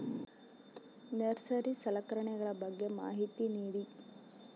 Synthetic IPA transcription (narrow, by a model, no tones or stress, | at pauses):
nɐɾsɐɾisɐlɐkɐɾɐɳɛɡɐɭɐbɐɡːe̞ma̰ːɦit̪iniːɽi